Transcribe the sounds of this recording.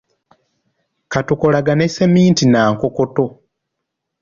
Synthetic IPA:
katuko̞laɡane̞se̞miːntinaːŋkoko̞to̞

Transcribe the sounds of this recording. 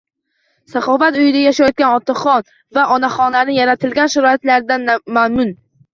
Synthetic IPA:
saχɒfat̪ʊjɪd̪ajaʃajɒt̪̚kʲanɒt̪ʰːaχɒn | vaʔɒnaχɒnlaɾnɪjaɾat̪ʰɪlɡʲanʃaɾɒɪt̪laɾɪd̪anmamʊn

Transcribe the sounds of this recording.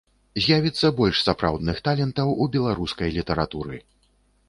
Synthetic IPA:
zʲjavʲit̪sːɐbɔlʲʂsapɾa̰wd̪nɨxt̪alʲɛnt̪ɐwubʲɛlˠaɾuskɐjlʲit̪ɛɾat̪uɾɨ

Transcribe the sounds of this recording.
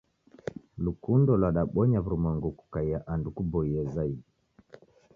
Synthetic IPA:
lukundɔlwaɗaɓɔɲavuɾumaŋɡuku̥kaijaʔandukubɔiɛzai

